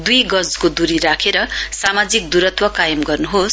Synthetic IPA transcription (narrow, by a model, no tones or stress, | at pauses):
d̪ujɡʌd͡zkod̪uɾiɾakʰeɾʌsamad͡zik̚d̪uɾʌt̪wʌkajʌmɡʌrnuɦos